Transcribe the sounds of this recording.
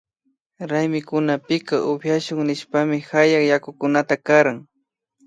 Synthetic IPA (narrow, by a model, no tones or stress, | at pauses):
ɾajmɪkʊnapɪkaʔʊpjaʃʊŋnɪʃpamɪhajaχjakʊkʊnat̪akaɾaŋ